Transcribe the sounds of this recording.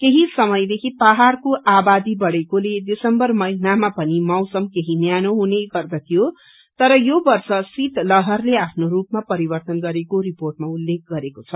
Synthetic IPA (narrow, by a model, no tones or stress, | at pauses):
keɦisʌmʌjd̪ekʰipaɦarkoʔabad̪ibʌɽekoled̪isʌmbʌrmʌinamapʌnimʌwsʌmkeɦinjanoɦuneɡʌrd̪ʌt̪ʰijo | t̪ʌɾʌjobʌrsʌsit̪lʌɦʌrleapʰnorupmapʌɾibʌrt̪ʌnɡʌɾekoriporʈmaulːek̚ʰɡʌɾekot͡sʰʌ